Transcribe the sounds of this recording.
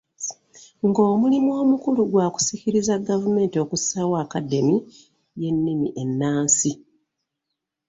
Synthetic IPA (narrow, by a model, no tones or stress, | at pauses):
ŋɡoːmulimuo̞ːmukuluɡwaːku̥siciɾizaɡavume̞ːntio̞kusawaːkadːe̞mi | je̞nːimiʔe̞nːaːnsi